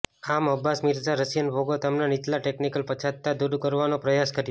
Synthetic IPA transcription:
aməbːasmɪɾd͡ʒaɾəsjənbʱoɡot̪amnanit̪laʈeknikəlpət͡ʃʰad̪̚t̪ːad̪ud̪kəɾʋanopɾəjaskəɾjo

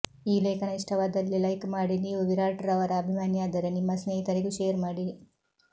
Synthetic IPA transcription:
iːleːkʰɐnɐiʂʈʰɐʋaːd̪ɐlːilɐjkmaːɽiniːʋuʋiɾaːʈɐɾɐʋɐɾɐːbʱimaːnjaːd̪ɐɾenimːɐsneɦit̪ɐɾekuʃejɐɾmaːɽi

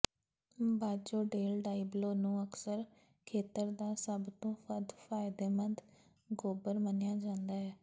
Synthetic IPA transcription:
baːd͡ʒoːɖeːlɖaːibloːnũːəksəɾ | kʰeːt̪əɾd̪aːsəbt̪õːpʰəd̪faːɪd̪eːmənd̪ | ɡoːbəɾmənjaːd͡ʒãːnd̪aːɦɛː

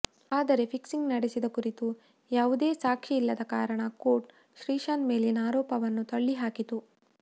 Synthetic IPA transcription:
aːd̪ɐɾe̞pʰiksiŋɡnɐɽesid̪ɐkuɾit̪u | jaːʋud̪eːsaːkʂiilːɐd̪ɐkaːɾɐɳɐkoːʈ | ʃɾiːʃaːnme̞ːlinɐaːɾɔːpɐʋɐnːut̪oɭːiɦaːkit̪u

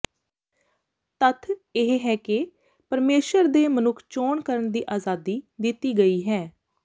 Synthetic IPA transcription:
t̪ət̪ʰɪɦɦɛːkɪ | pəɾmeːʃəɾd̪eːmənʊkʰt͡ʃoːɳkəɾəɳd̪iːʔaːzaːd̪iːd̪ɪt̪ːiːɡəiːɦɛː

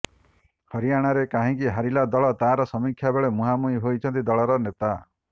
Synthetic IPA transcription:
hɔɾiaɽ̃aɾekaɦĩkiɦaɾilad̪ɔɭɔt̪aɾɔsɔmikʰjabeɭemuɦamuiɦojt͡ʃʰɔnt̪id̪ɔɭɔɾɔnet̪a

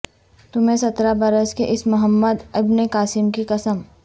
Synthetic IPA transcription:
t̪ʊmɦẽsɐt̪ɾabɐɾəskeʔɪsmʊɦəmːəd̪ɪbnekaːsɪmkikɐsəm

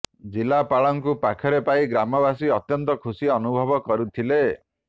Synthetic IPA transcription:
d͡ʒilapaɭɔŋkupakʰɔɾepaiɡɾamɔbasiɔt̪jɔnt̪ɔkʰusiɔnubʱɔbɔkɔɾut̪ʰile

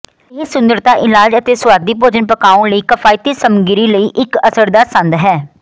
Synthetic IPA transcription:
ɪsʊnd̪əɾt̪aːʔɪlaːd͡ʒət̪eːsʊwaːd̪iːpoːd͡ʒənpəkaːõːləiːkəpʰaːit̪iːsəmɡɪɾiːləiːʔɪkəsəɾd̪aːsə̃nd̪ɦɛː

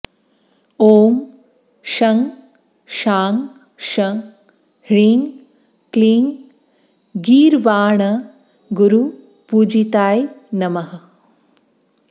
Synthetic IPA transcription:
oːm | ʃɐŋ | ʃaːŋ | ʃɐŋ | hɾiːŋ | kliːŋ | ɡiːɾʋaːɳɐ | ɡuɾu | puːd͡ʒit̪aːjnɐmɐɦɐ

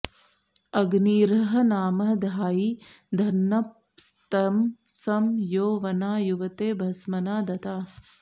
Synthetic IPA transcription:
ɐɡniːɾɐɦɐnaːmɐɦɐd̪ʱaːji | d̪ʱɐnːɐ | st̪ɐm | sɐmjoːʋɐnaːjuʋɐt̪eːbʱɐsmɐnaːd̪ɐt̪aː

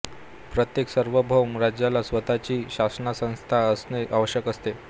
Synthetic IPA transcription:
pɾət̪jeksəɾʋəbʱəwmɾad͡ʑjalasʋət̪at͡ɕiːɕasnasə̃w̃st̪ʰaəsneʔaʋəɕjəkəst̪e

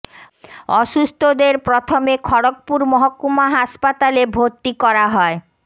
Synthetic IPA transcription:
ɔʃust̪ʰod̪eɾpɾot̪ʰomekʰɔɽok̚puɾmɔɦokːumaɦaʃpat̪alebʱoɾt̪ːikɔɾaɦɔe

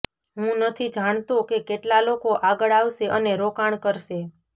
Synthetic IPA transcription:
ɦũnət̪ʰid͡ʒaɳ̃t̪ũkekeʈlalokoʔaɡəɭaʋʃeʔəneɾokaɳ̃kəɾʃe

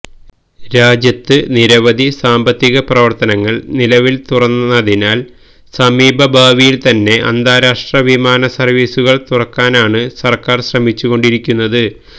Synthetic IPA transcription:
ɾaːd͡ʑjɐt̪ːɨniɾɐʋɐd̪ʱisaːmbɐt̪ːiɣɐprɐʋɐrt̪ɐnɐŋːɐɭnilɐʋilt̪urɐnːɐðinaːl | sɐmiːbʱɐbʱaːʋijilt̪ɐnːe̞ʔɐ̰nd̪aːɾaːʂʈrɐʋimaːnɐsɐrʋiːsuɣɐɭt̪urɐkːaːnaːɳɨsɐrkaːrɕrɐmit͡ɕːuɣo̞ɳɖiɾikʲːunːɐðɨ

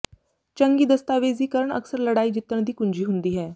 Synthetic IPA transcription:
t͡ʃəŋɡiːd̪əst̪aːʋeːziːkəɾəɳə̰ksəɾləɽaːiːd͡ʒɪt̪ːəɳd̪iːkʊɲd͡ʒiːɦʊnd̪iːɦɛː

